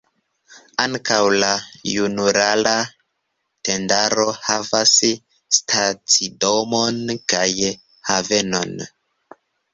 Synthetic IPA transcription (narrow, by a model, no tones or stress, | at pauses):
aŋkawlajunuɾala | te̞ndaɾo̞havas | stʰat͡sidomonkaj | have̞no̞̰n